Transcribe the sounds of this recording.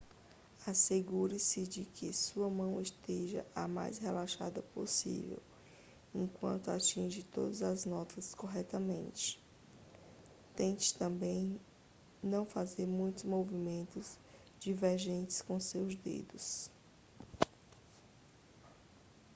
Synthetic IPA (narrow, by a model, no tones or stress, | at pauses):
aseɡuɾɪsɪd͡ʒɪkʰɪsuɐmɐ̃w̃ɪʃt̪eʒɐ̰ʔama̰jshelaʃa̰d̪ɐpo̰sḭvḛw | ẽkwɐ̰̃nt̪ʊat͡ʃĩʒɪt̪o̰d̪ɐzɐznɔt̪ɐskoɦɛt̪ɐmḛ̃nt͡ʃɪ̥ | t̪ẽt͡ʃɪ̥t̪ɐ̃mbẽj̃ | nɐ̃w̃fazeɾmũj̃t̪ʊzmovimẽnt̪ʊz | d͡ʒiveɾʒẽnt͡ʃɪ̥skõsewzd̪ḛd̪ʊs